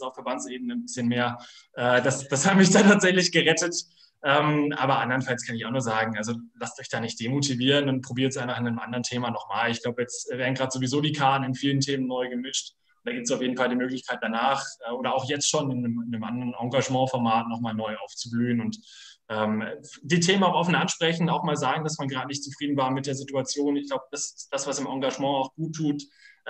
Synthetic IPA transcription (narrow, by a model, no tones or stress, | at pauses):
aʊfɛɐbant͡sʔeːbənənbɪsçənmeːɐʔɛːdasd̥ashabəmɪçd̥aːtʰaːtz̥ɛçlɪçɡ̥əʁɛtət | ʔɛːmʔa̰ːbɐʔandɐʁənfalskʰanɪçaʊxnuːɐzaːɡŋ̩ʔalzolastɔʏçd̥aːnɪçt̚d̥eːmotʰiviːʁənʊnt̚pʁ̥obiːɐtəsʔaɪnfaχɪnaɪnəmʔa̰ndəʁəntʰeːmaːnɔχmaːlɪçɡ̥laʊbəjɛt͡stɛveːɐn̩ɡʁaːtz̥ovizoːdiːkʰaːtn̩ɪnfiːləntʰeːmənːɔʏɡəmɪʃt | d̥aːɡiːptsaʊfjeːdn̩faldiːmøːklɪçkʰaɪt̚d̥anaːχʔɛːʔoːɾɐaʊxjɛt͡stʃoːnɪnəmɪnəmʔa̰ndəʁənʔɔŋɡaʒmɑ̃ːfɔɐmaːtnɔχmaːlnɔʏʔa̰ʊft͡sublyːənʊnt | ʔɛːmd̥iːtʰeːmənaʊʔɔfənʔanʃpʁ̥ɛçn̩aʊxmaːlzaːɡŋ̩dasmanɡʁaːdənɪçtt͡sufʁ̥iːdn̩vaːɐmɪt̚d̥eːɐzɪtuat͡sjoːnɪçɡ̥laʊbəd̥asd̥asv̥asɪmʔaŋɡaʒmɑ̃ːaʊxɡ̥uːtʰːuːt